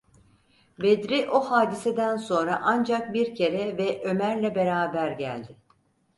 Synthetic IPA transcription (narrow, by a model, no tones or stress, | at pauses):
bed̪ɾiʔo̞haːd̪ised̪ænso̞nɾaʔand͡ʒak̚biɾcʰe̞ɾɛvɛʔø̞mæɾlʲɛbe̞ɾaːbæɾɟæ̰lʲd̪ɪ